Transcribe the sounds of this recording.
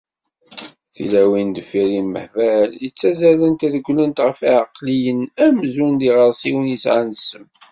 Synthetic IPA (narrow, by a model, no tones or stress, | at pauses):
θḭlæwind̪əfiɾiməħvæljət͡sːæzælənt̪æðəɡʷlənt̪ʁəfiʕəqːlijənæmzund̪iʁəɾˤsiwənjisʕansəm